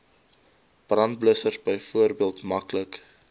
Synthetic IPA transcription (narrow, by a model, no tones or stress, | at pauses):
b̥rɐnt̚bləsərsbəjfuərbiəlˠtmɐklək